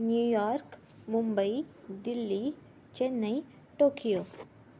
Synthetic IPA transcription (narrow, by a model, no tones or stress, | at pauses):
njuːjaːɾk | mʊmbəid̪ɪlːi | t͡ʃenːɐi | ʈoːkijoː